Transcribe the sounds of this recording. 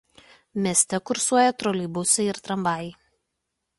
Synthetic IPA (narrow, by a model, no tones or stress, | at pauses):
mʲeːsʲt̪ʲɛkʊɾsuɔjɛt̪ɾɔlʲibʊsʲɛɪɾt̪ɾɐmbɑˑj